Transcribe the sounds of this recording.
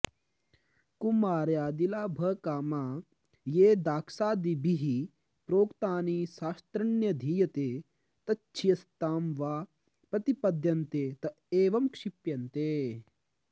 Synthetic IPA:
kumaːɾjaːd̪ilaːbʱɐkaːmaː | jeːd̪aːkʰsaːd̪ibʱiɦi | pɾoːkt̪aːniːʃaːst̪ɾɐnjɐd̪ʱiːjɐt̪eː | t̪ɐt͡ʃːt͡ʃʰijɐst̪aːmʋaː | pɾɐt̪ipɐd̪ʱjɐnt̪eːt̪ɐ | eːʋɐmkʂipjɐnt̪eː

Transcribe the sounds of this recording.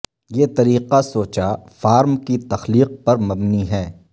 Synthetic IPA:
jeːt̪ɐɾiːqasoːt͡ʃafaːɾmkit̪ɐxliːq̚pɐɾmɐbniɦɛː

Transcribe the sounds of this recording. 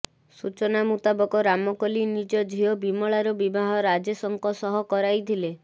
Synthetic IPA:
sut͡ʃɔnamut̪abɔkɔɾamɔkɔlinid͡ʒɔd͡ʒʱiɔbimɔɭaɾɔbibaɦɔɾad͡ʒesɔŋkɔsɔɦɔkɔɾajt̪ʰile

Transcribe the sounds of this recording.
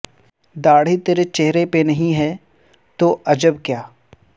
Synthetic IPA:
d̪aːɽ̤it̪eːɾet͡ʃeɦɾepenɐɦĩɦɛː | t̪oʔɐd͡ʒəbkjaː

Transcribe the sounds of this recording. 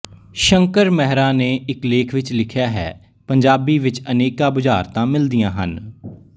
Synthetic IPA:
ʃəŋkəɾmɛɦɾaːneːɪkleːkʰʋɪt͡ʃlɪkʰjaːɦɛ̰ː | pəɲd͡ʒaːbiːʋɪt͡ʃəneːkaːbʊd͡ʒaːɾt̪ãːmɪld̪ijãːɦən

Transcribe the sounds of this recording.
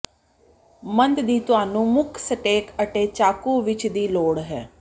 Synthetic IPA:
mənd̪d̪iːt̪ʊaːnũːmʊkʰsəʈeːkəʈeːt͡ʃaːkuːʋɪt͡ʃd̪iːloːɽɦɛː

